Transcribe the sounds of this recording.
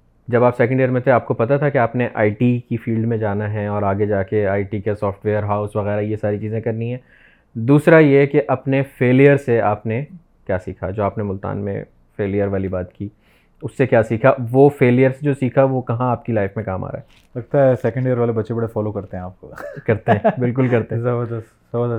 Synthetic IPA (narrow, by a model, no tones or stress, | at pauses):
d͡ʒɐbaːpsɛːkə̃ɳɖejəɾmẽt̪eaːp̚kopɐt̪at̪ʰakeaːpneʔaːiʈikifiːlɖmẽd͡ʒaːnaɦɛɔːɾaːɡed͡ʒaːkeaːiʈikasɔːfʈʋeːəɾɦaːʊsʋɐɣɛːɾajesaːɾit͡ʃiːzẽkɐɾnĩɦɛ̃ː | d̪uːsɾajekeʔɐpnefeːlijəɾseaːpne | kjaːsiːkʰad͡ʒoːaːpnemʊlt̪a̰ːnmḛ̃ | feːlijəɾʋaːlibaːt̪kiː | ʊsːekjaːsiːkʰaʋofeːljəɾsed͡ʒoːsiːkʰaʋokɐɦãaːp̚kilaːɪfmẽkaːma̰ːɾa̰ːɦɛ | lɐɡt̪aɦɛsɛːkə̃ɳɖeəɾʋaːlebɐtːʃebɐɽefɔːlokɐɾt̪ẽɦɛ̃aːp̚kokɐɾt̪ẽɦɛ̃ːbɪlk̬ʊlkɐɾt̪ẽzɐbəɾd̪ɐst̪z̥ɐbəɾd̪ə